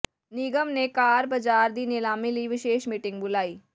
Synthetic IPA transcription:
niːɡəmnekaːɾbɐd͡ʒaːɾd̪iːneːlaːmiliʋɪʃeːʃmiːʈɪ̃ŋɡbʊlaːiː

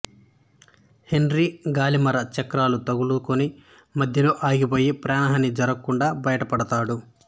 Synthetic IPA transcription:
henɾiɡaːlimɐɾɐt͡ʃɐkɾaːlut̪ɐɡulukoni | mɐd̪ʱjɐloːʔaːɡipo̞ːjipɾaːɳɐɦɐnid͡ʒɐɾɐkːuɳɖaːbɐjɐʈɐpɐɽɐt̪aːɽu

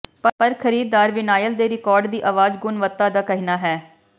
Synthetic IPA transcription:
pəpəɾkʰəɾiːd̪̚d̪aːɾʋɪnaːjəld̪eːɾɪkɔːɾɖd̪iːʔaːʋaːd͡ʒɡʊnʋət̪ːaːd̪aːkəɦinaːɦɛː

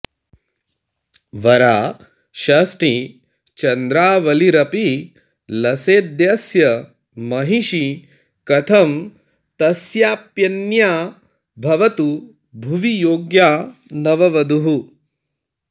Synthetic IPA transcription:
ʋɐɾaː | ʃɐsʈi | t͡ʃɐnd̪ɾaːʋɐliɾɐpi | lɐseːd̪jɐsjɐ | mɐɦiʃi | kɐt̪ʰɐm | t̪ɐsjaːpjɐnjaː | bʱɐʋɐt̪u | bʱuʋijoːɡjaːnɐʋɐʋɐd̪uɦu

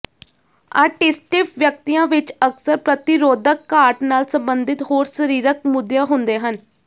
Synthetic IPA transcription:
a̰ːɾʈɪsʈɪpʋjək̚t̪ijãːʋɪt͡ʃəksəɾpɾət̪ɪɾoːd̪əkːaːɾʈnaːlsəmbənd̪ɪt̪ɦoːɾsəɾiːɾək̚mʊd̪jaːɦʊnd̪eːɦən

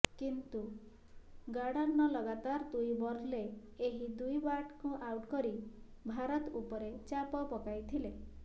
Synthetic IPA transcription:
kint̪u | ɡaɽaɾnɔlɔɡat̪aɾd̪ujbɔɾleː | ɦid̪ujbaʈkuʔawʈkɔɾi | bʱaɾɔt̪upɔɾet͡ʃapɔpɔkajt̪ʰile

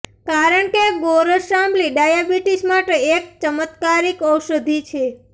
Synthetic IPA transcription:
kaɾəɳkeboɾəʃamliɖajabiʈismaʈeek̚t͡ʃəmət̪kaɾikəwʃəd̪ʱit͡ʃʰe

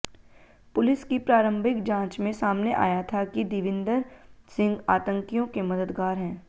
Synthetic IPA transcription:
pʊlɪskipɾaːɾə̃mbʱɪkd͡ʒãːt͡ʃmẽsaːmneʔa̰ːjat̪ʰakid̪ɪʋɪ̃nd̪əɾsɪ̃ŋɡaːt̪ə̃ŋkijõkemɐd̪əd̪ɡaːɾɦɛ̃ː

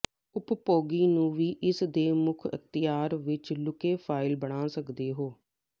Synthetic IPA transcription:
ʊppoːɡiːnũːʋiːʔɪsd̪eːmʊkʰə̰xt̪ɪjaːɾʋɪt͡ʃlʊkeːpʰaːɪlbəɽ̃aːsəkd̪eːɦoː

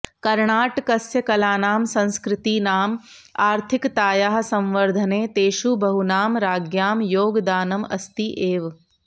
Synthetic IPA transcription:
kɐɾɳaːʈkɐsjɐkɐlaːnaːmsɐ̃nskɾɪt̪iːnaːm | aːɾt̪ʰɪkt̪aːjaːɦsɐ̃mʋəɾd̪ʱɐneːt̪eːʃubɐɦunaːmɾaːɡjaːmjoːɡd̪aːnɐmɐst̪iʔeːʋ

